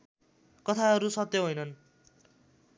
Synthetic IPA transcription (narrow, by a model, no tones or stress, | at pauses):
kʌt̪ʰaɦʌɾusʌt̪ːjoɦojnʌn